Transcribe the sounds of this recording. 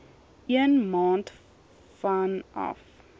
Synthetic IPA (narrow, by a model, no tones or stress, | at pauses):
ʔiənmɑ̃ːnt | fanʔɔ̰f